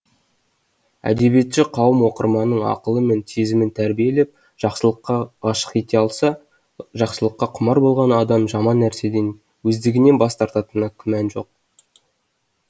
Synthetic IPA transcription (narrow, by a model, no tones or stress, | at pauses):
æ̰d̪e̞bije̞t̪ʃɪqʰɑwəmwo̞qəɾmɑnəɴɑ̰qəlˠəme̞nt̪ʰezɪmɪnt̪ʰæɾbije̞le̞p̚ | ʒɑqsˠəqːɑʁɑʃə̥qet̪eɑlˠsɑ | ʒɑqsəlˠəqːɑqʰʊmɑɾbo̞lˠʁɑnɑd̪ɑmʒɑmɑnːæɾse̞d̪e̞n | wɵzd̪ɪɡʲɪne̞nbɑst̪ɑɾt̪ɑt̪ənɑkʲʰʏmænʒo̞q̚